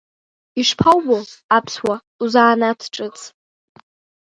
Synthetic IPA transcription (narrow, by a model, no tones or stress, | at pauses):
iʂpʰawboapʰswa | uzaːnatʰʈ͡ʂʼɨt͡sʰʼ